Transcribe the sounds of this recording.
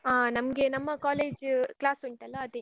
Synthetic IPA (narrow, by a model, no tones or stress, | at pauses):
aːnɐmɐɡenɐmːɐkaːleːd͡ʒklaːsuɳʈɐlːɐːd̪e